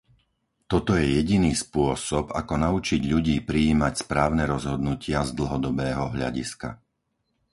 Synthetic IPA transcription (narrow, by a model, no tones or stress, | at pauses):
t̪ɔt̪ɔjɛjɛɟiniːspʊɔsɔba̰kɔnaut͡ʃiɟʎuɟiːpɾiiːmacspɾaːʊnɛɾɔzɦɔd̪nucɪazd̪l̩ˠɦɔd̪ɔbɛːɦɔɦʎa̰ɟḭska̰